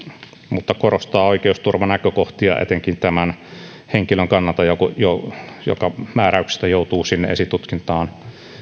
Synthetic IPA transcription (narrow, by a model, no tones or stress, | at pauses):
mut̪ːɑkorost̪ɑːoikeust̪urʋɑnækøkoht̪iɑ̰ʔḛt̪eŋkint̪æmæn | heŋkiløŋkɑnːɑlt̪ɑjokojojo̰kɑmæːræyksi̥st̪æjoˑut̪uːsinːḛḛsit̪ut̪kint̪ɑːn